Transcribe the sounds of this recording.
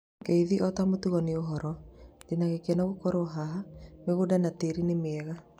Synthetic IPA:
ɡɛiðiʔɔtamotuɣɔneoɦɔɾɔdenaɣekɛnaɣokɔɾoɦaɦameɣodanateɾinemeɛɣa

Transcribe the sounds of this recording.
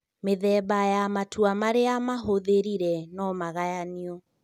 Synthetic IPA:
meðɛbajamatwamaɾeamaɦoðeɾiɾɛnɔmaɣajaniɔ

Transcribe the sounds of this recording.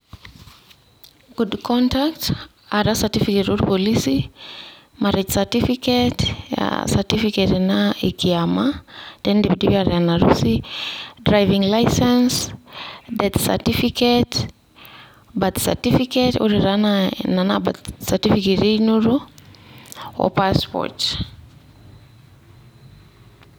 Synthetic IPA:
ɡ̥udkʰɔntakt | aɾasatifiketoɾupolisi | maɾɛt͡ʃsatifiketa̰satifiketenaekiamad̥ɛndebidibaɾanaɾṵsidɾajviŋlajsɛns | dɛt̪sa̰tifiket | bat̪sa̰tifiketoɾiɾanananaba̰tsatifiketeinuɾo | ɔ̰paspɔ̰t

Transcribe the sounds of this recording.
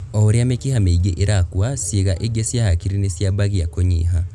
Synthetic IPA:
ooɾjamekihameiɡeʔeɾakuwasiɣaʔeɡesjahakiɾinisjabaɣiakoɲiɦa

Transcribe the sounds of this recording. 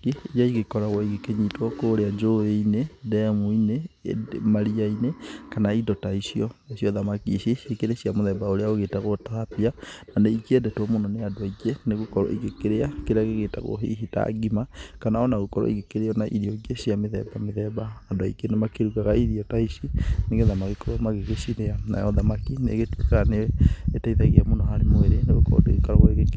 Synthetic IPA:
iijaiɣekɔɾaɣɔiɣekeɲitwɔkoɾead͡ʒoeinedɛmuine | maɾiainekanaidɔtaisiɔesiɔðamakiʃiekeɾesiamoðɛbaoɾeaoɣetaɣotaapiananeikiɛdɛtwɔmonɔneadwaikeneɣokɔɾɔ̰ḭɣekeɾeakeɾeaɣeɣetaɣo̰ɦḛɦita̰ɡimakanaɔnaɣokɔɾɔ̰ḭɣekeɾeɔnaʔiɾiɔɡesiameðɛ̰bameðɛbaadoaikenemakeɾukaɣaiðiɔtaiʃineɣeðamakikoɾmaɣeɣeʃiɾeana̰jɔðamakinḛɣetuekaneetaiðaɣiamonɔhaɾemoeɾeneɣokɔ̰ɾɔ̰dekaɾɔɣoeɣek

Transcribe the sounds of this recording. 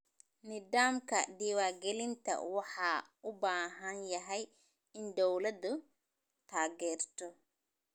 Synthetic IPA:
nɪdaːmkʰɐd̪iːwaːɡɛlɪnt̪ʰɐ̰wɑħɑːʊbaːɦɐnjɐɦɛj | ɪnd̪ɔwlɐd̪ʊ | t̪ʰaːɡɛːrt̪ʰɔ

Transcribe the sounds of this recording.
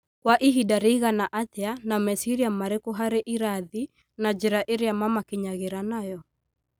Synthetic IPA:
kwaʔiɦidaɾeiɣanaʔateanamɛsiɾiamaɾekoɦaɾeʔiɾaði | nad͡ʒeɾaʔeɾeamamakeɲaɣeɾanajɔ

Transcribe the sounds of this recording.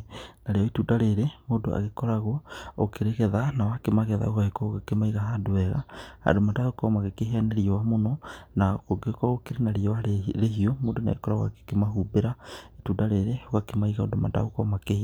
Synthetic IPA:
naɾeɔituːdaɾeɾemoːdoa̰ɣekɔɾaɣɔo̰keɾeɣɛðanawakemaɣɛða̰oɣaɣekɔoɣakemaiɣaɦadoɛɣa̰a̰domadahokɔmaɣekeɦeaneɾiɔwamonɔnaɣoɡekwaɣokeɾenaɾiɔwaeɾehiomoːdona̰ɣekɔɾaɣwa̰ke̥kemaɦubeɾaetuːdaɾeɾeoɣakemaiɣaodomada̰ɣokɔmakehi

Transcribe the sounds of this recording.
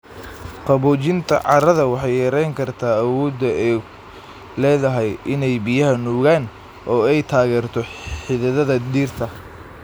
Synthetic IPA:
qɑβɔːt͡ʃɪnt̪ʰɐ̰ʕɑɾɐðɐwɑħɑjjɐɾɛjŋkʰɐrt̪ʰaːɐwɔːd̪ɐɛ | lɛːðɐɦɛjʔɪnɛjbijɐɦɐnuːɣaːn | ʔɔːɛjt̪ʰaːɣɛːrt̪ʰɔħɪðɐðɐðɐd̪iːrt̪ʰɐ

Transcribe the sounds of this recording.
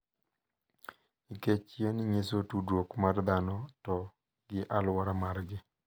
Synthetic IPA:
iket͡ʃjenɲesotudwokmard̪anɔtɔ | ɡɪʔalwaɾamaɾɡɪ

